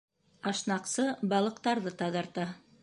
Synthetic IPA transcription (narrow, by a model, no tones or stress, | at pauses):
ɑʃnɑqsɤbɑlˠɤ̆qt̪ɑɾðɤt̪ɑðɑ̆ɾt̪ɑ